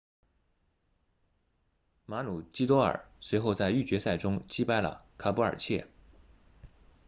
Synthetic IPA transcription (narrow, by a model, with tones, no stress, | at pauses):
ma˧˥nu˨˩t͡ɕi˥t̪wɔ˥ə̰˞˨˩swe˧˥ɪxo˥˧ʊt͡sa˥˧ɪy˥˩t͡ɕɥɛ˧˥sa˥˩ɪʈ͡ʂʊ˥ŋt͡ɕi˥pa˥˩ɪlə̰˨˩kʰa˧˥pu˥ə̰˞˨˩t͡ɕʰjɛ̰˥˩